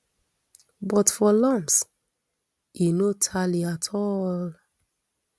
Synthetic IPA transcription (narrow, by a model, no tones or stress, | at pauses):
bɔtfɔlãms | inotʰaliatʰɔl